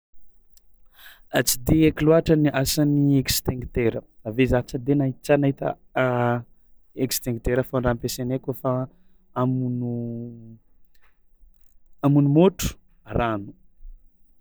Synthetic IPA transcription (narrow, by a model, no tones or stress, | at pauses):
at͡si̥d̪eekiluaʈ͡ʂəniʔasaniekst̪eŋɡt̪eɾəavezat͡səd̪enaɦit͡sanaɦit̪ə̰ | ekst̪eŋɡt̪eɾəfaɳɖ͡ʐampesenekofa | amunu | amunumoʈ͡ʂu̥ | ranu̥